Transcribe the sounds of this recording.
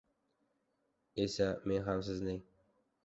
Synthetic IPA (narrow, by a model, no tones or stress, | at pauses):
esæmenɦæms̬ɘznɘŋ